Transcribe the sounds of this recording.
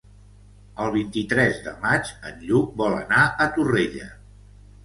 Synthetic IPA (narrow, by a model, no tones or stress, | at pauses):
əlˠβ̞int̪it̪ɾɛzðə̰mat͡ʃə̰nʎuk̚bɔlə̰naət̪ureʎə̰